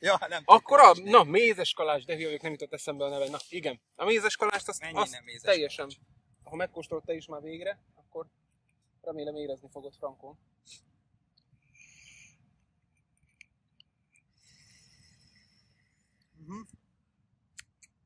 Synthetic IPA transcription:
jɒnɛmɒkːo̞ɾɒnɒmeːzɛʃkɒlaːʒd̪ɛɦijɒjeknɛmjyt̪ot̪ːɛsɛmbɛɒnɛvɛnːɒiɡɛn | ɒmeːzɛʃkɒlaːʃt̪ɒsɒst̪ɛjːɛʃɛn | ɒɦɒmɛkːoːʃt̪o̞lt̪ːɛiʃmaːrveːɡɾɛ | ɒkːo̞r | rɛmeːlɛmeːɾɛznifo̞ɡo̞t̪frɒŋkoːn | ɦ̩

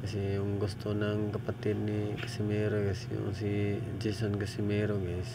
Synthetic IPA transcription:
kɐsɛjʊŋɡʊst̪onaŋkɐpat̪ɪd̪̚nikɐ̥sɪmɛɾokɐsɛjʊ̰ŋsi | d͡ʒisonkɐsɪmɛɾoɡaɪs

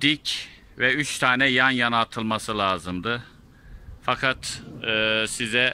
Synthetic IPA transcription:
d̪̥ic | vɛyt͡ʃt̪ʰaːnɛjanjanat̪ʰɯlˠmasɯlʲˠaːzɯmd̪ɯ | fakʰat̪ɯːsizɛ

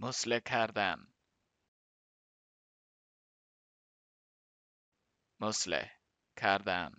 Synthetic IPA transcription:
mʊslekʰaɾd̪an | mʊslḛ | kʰaɾd̪a̰ːn

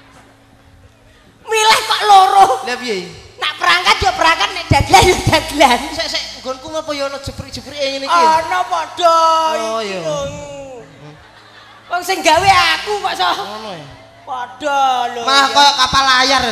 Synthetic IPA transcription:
milɛhkɔʔloɾolapijeinaʔpəɾaŋkat̪̚jɔpəɾaŋkat̪̚nɛʔd̥a̤d̪̥əlanjɔd̪̥ad̪̥lansɛʔsɛʔŋɡɔnkumɔpɔjɔnɔ̥ʒ̥əpɾi̥ʒ̥ə̤pɾiʔeŋenikɔnɔpɔd̥ɔ | jɔ | wɔŋsɪŋɡaweakupaʔsɔɔnɔja | pɔd̥ɔjmalahkɔjɔkapalajar

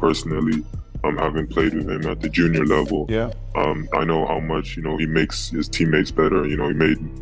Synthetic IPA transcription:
pʰɜ˞sn̩l̩ˠiʌ̃mhævɪ̃ŋpʰl̥eɪd̚wɨð̥ɨ̃mɨ̰t̪̚ðɨd͡ʒʉ̃njə˞lɛvl̩ˠj | ʔʌ̃ma̰ɪnoʊha̰ʊmʌt͡ʃjɨnoʊimeɪksɨz̥tʰĩmːeɪtsb̥ɛɾə˞jɨñoʊimeɪd̚

